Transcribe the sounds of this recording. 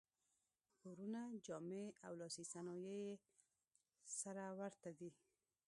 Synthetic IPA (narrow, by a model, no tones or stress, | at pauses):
xoɾunad͡ʒɑmeawlɑsisanɑjeje | saɾawaɾt̪ad̪i